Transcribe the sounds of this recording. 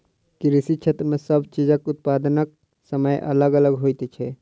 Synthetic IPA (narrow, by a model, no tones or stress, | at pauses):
kiɾisit͡ʃʰet̪ɾmesəbt͡ʃid͡ʒəkut̪̚pad̪nək̚ | səməjʔə̰ləɡələɡɦojt̪ɛt͡ʃʰɛ